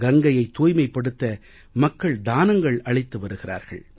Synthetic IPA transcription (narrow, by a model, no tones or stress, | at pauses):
ɡɐŋɡɐjɐɪt̪ːuːjmɐɪpːɐɽɯt̪ːɐ | mɐkːɐɭd̪aːnɐŋɡɐɭɐɭɪt̪ːɯʋɐɾɯɣɪra̰ːɾɣɐ̰ɭ